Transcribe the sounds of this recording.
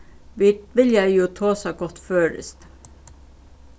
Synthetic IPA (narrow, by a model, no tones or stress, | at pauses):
ʋʋɪljæɪjuːt̪ʰɑːsɑɡɔt̪føːɾə̰st̪